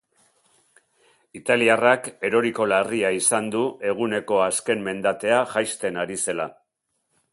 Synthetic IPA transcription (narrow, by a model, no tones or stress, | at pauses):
it̪aliarake̞ɾo̞ɾiko̞lariaisand̪uʔe̞ɣ̞une̞ko̞aske̞mmːe̞nd̪at̪e̞aʝajst̪e̞naɾise̞la